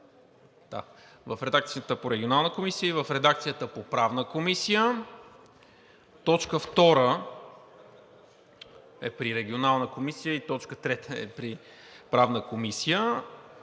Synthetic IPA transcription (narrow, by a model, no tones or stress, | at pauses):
d̪̥a̰ | vɐfɾɛd̪ak̚t̪sijət̪əpoɾɛɡʲionalˠnəkomisiəivəfɾɛd̪ak̚t̪sijət̪əpopɾavnəkomisijə | t̪ɔt͡ʃkəft̪ɔɾə | ɛpɾiɾɛɡʲionalˠnəkomisijəit̪ɔt͡ʃkət̪ɾɛt̪əɛ̰pɾi | pɾavnəkomisijə